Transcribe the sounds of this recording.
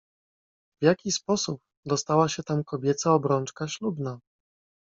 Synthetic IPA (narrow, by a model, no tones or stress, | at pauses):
vjakʲispɔsup̚ | d̪ɔst̪awaɕɛt̪amkɔbʲjɛt̪saɔbɾɔnt͡ʂkaɕlubna